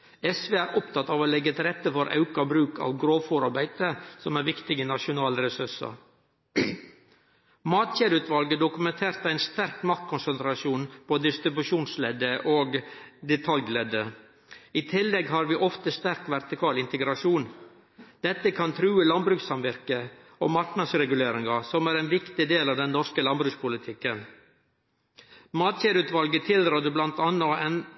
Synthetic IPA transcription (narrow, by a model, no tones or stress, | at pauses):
ɛsʋeːæːɾʔɔpt̪ʰɑt̪ːɑːʋoːlɛɡːət̪ɾɛt̪ːəfɔɾʔɑ̰ʉkɑbɾʉːkɑ̰ːʋɡɾoːʋfuɾɑɾbæɪd̪əsɔmæɾʋɪkt̪ɪɡənɑʂʊnɑːlɾɛsʉʂɑ̰ | mɑːt̪çeːɾʉːt̪ʰʋɑlɡəd̪ʊkʉmɛnt̪ʰeːɾt̪æɪnst̪æɾkmɑkt̪̚kʰʊnsənt̪ɾɑʃuːnpʰoːd̪ɪst̪ɾɪbʉʂuːnslɛːd̪əʔoːɡd̪ɛt̪ʰɑllɛːd̪ə | ɪt̪ʰɪlːɛɡɦɑɾʋiːʔɔft̪əst̪æɾkʋæɾt̪ɪkʰɑːlɪnt̪əɡɾɑʂuːn | d̪ɛt̪ːəkʰɑnt̪ʰɾʉːəlɑnbɾʉːksɑmʋɪɾkə | ɔ̰mɑɾknɑd̪sɾɛɡʉleːɾɪŋɑsɔmæːɾɛɪnʋɪkt̪ɪd̪eːlɑʋd̪ɛnːɔɾskəlɑnbɾʉːkspʰʊlɪt̪ʰɪkːən | mɑːt̪çeːɾʉːt̪ʋɑlɡət̪ʰɪld̪ɾɔːd̪əblɑnt̪ɑnːɑɛn